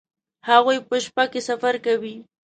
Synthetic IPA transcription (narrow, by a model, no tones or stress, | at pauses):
haɣujpəʃpakesafaɾkawi